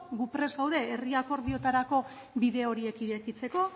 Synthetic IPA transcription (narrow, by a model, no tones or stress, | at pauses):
ɡupɾe̞zɣawðe̞eriako̞ɾβio̞t̪aɾako̞ | βiðe̞o̞ɾie̞kiɾekit͡se̞ko̞